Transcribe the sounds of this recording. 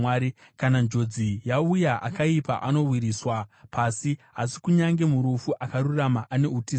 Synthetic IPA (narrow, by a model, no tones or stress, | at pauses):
aːɾi | kanand͡ʒo̞d͡zijaujaʔa̰kaipa̰ʔano̞wiɾiːswapasiɦasi̥kuɲaŋɡe̞muɾufuʔakaɾuramaʔane̞uti